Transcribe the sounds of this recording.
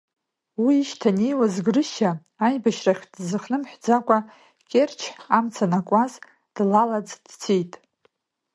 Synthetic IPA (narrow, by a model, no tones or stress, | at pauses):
wiːʃtʰanejwazɡrɨʃaː | jbaʃraχʲdzɨχnɨmħʷᶣd͡zakʷʼa | kʲʼert͡ʃʰamt͡sʰanakʷʼaz | d̥lalad͡zd̥t͡sʰijtʼ